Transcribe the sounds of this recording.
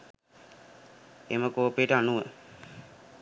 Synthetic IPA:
ḛməkoːpeʈəanuʋə

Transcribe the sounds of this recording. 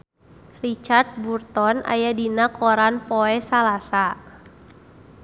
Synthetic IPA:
rit͡ʃart̪̚burt̪ɔna̰jadinakʰɔɾanpɔɛsalasa

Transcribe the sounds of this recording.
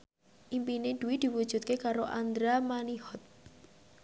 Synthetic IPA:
ʔimpined̪̥ṳwid̪̥i̤wud̥ʒ̥ṳt̪̚kekaɾoʔand̪ɾamanihɔt̪̚

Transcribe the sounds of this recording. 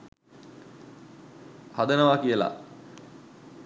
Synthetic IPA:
had̪ənəʋakijəla̰

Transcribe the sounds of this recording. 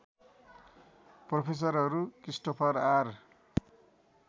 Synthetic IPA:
propʰes̬ʌɾɦʌɾukrisʈopʰʌrar

